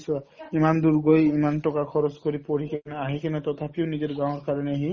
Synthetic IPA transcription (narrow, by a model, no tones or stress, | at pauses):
saimand̪uɾɡojimanʈɔkakʰɔɾɔskɔɾipoɾikʰaneaɦikʰanɛt̪ɔt̪ʰapionid͡ʒeɾɡãw̃ɔɾkaɾɔneɦi